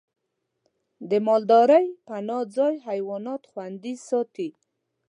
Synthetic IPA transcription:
d̪əmɑld̪ɑɾəjpanɑd͡zɑjɦajwɑnɑt̪xwand̪isɑt̪i

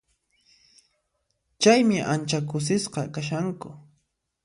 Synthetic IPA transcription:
t͡ʃajmɪʔant͡ʃakʊs̬ɪsqɑkaʃaŋkʊ

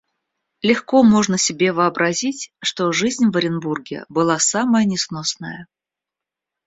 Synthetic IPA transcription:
lʲɪxko̞mo̞ʐnəsʲɪbʲe̞vɨɐbɾʔɐzʲitʲʂt̪o̞ʐɨzʲnʲvəɾʲɪnburɡʲɪ̰bɨlˠasaməjənʲɪsnosnə̰jə

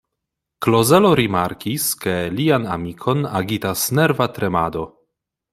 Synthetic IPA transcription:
klozeloɾimaɾkiskeliana̰mikʰona̰ɡit̪asnɛɾvat̪ɾemad̪o

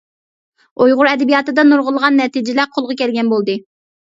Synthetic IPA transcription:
ojʁʊɾɛd̪ɪbijɑt̪ɨd̪ɑnuɾʁʊlˠʁɑnːɛt̪id͡ʒɪlæqʰolˠʁɑkʲʰɛlɡʲɛnbolˠd̪ɨ

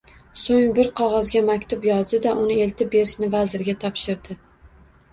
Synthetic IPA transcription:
soŋbɪɾqʰɒʁɒzɡʲamakʲt̪ʰʊpjɒzd̪ɪd̪aʔʊnɪe̞lt̪ʰɪp̚be̞ɾɪʃnɪvazɪɾɡʲat̪ʰɒpʃɪɾd̪ɪ

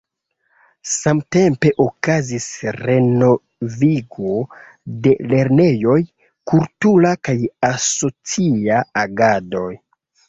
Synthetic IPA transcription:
samte̞mpe̞ʔokazisɾe̞no̞ | viɡo | de̞le̞ɾne̞jo̞j | kultulakajaso̞t͡siaaɡado̞j

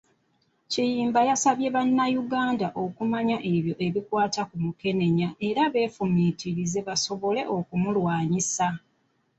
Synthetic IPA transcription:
cijiːmbajasaβje̞βanːajuɡaːndaʔo̞kumaɲaʔe̞βjo̞ʔe̞βikwaːtakumuke̞ne̞ɲaʔe̞ɾaβe̞ːfumiːtiɾize̞βaso̞βo̞le̞̰ʔo̞kumulwaːɲisa

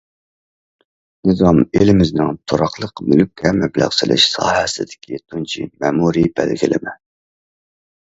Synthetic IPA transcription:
nɨzɑmelɪmɪznɪŋt̪ʰoɾɑqlˠəqmylk̚ʲkʲʰɛmɛblæ̰ʁsɪlʔɪ̰ʃsɑ̰ːhɛsɪd̪ɪ̥kʲit̪ʰunt͡ʃʰḭmɛmuɾibælɡʲilɪ̰mɛ

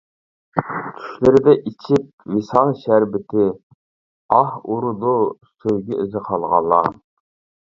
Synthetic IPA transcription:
t̪ʲʰy̥ʃlɪɾɪd̪ɛʔit͡ʃʰip̚wisɑnʃæɾbɪt̪ʰɪ | ɑhuɾʊd̪usøjɡʲiʔyzɪqʰɑlˠʁɑ̰lˠːɑ̰

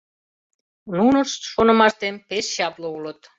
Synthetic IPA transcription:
nunəʃʃonə̆mɑʃt̪empesɕɑploulə̆t̪

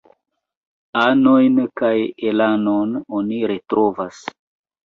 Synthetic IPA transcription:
ano̞jnkajelanononiɾetɾovas

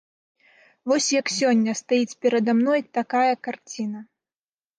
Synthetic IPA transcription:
vɔsʲjɐksʲɔnʲːɐst̪ajit͡sʲpʲɛɾɐd̪amnɔjt̪akajɐkart͡sʲinɐ

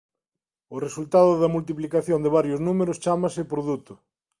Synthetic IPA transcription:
ʊresult̪aðʊðɐmult̪̬iplikaθjond̪ɪβaɾjʊznumeɾʊst͡ʃamɐsɪpɾoðut̪ʊ

